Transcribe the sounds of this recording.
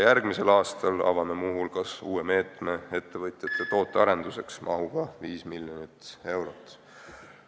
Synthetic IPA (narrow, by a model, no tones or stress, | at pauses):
jærɡ̥mise̞lɑːst̪ɑlɑ̰vɑme̞muɦulkɑsuːe̞me̞ːt̪me̞e̞t̪ːe̞vɤt̪jɑt̪ːˑet̪o̞ːt̪ːˑeɑɾe̞nd̪̥use̞ksmʔɑ̰ɦuɡ̥ɑviːsmiljonit̪e̞wɾot̪ˑː